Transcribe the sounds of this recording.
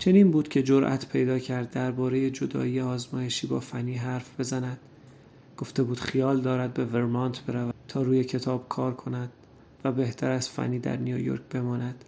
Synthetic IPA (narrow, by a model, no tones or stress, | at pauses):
t͡ʃʰe̞niːnbuːd̪̥cʲʰe̞d͡ʒo̞ɾʔæ̰t̪ʰpʰe̞jd̪ɒːcʰæɾd̪ːæɾbɒːɾe̞je̞d͡ʒo̞d̪ɒ̰ːiːeɒːzmɒːje̞ʃiːbɒ̰ːfænːiːɦæɾfb̥e̞zænæd̪̥ | ɡ̥o̞ft̪e̞buːd̪̥xijɒːld̪ɒːɾæd̪̚be̞veɾmɒnt̪ʰb̥e̞ɾævæt̪ʰɒːɾuːje̞cʰe̞t̪ʰɒːb̥̚kʰɒːɾkʰo̞næd̪̥̚ | væbe̞ht̪ʰæɾæz̥fæ̰nːiːd̪æ̰ɾnijojo̰ɾcb̥e̞mɒːnæd̪̥